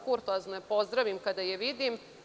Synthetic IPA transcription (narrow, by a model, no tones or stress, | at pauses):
kuɾt̪oaznepo̞zd̪ɾaʋimkad̪ajeʋid̪im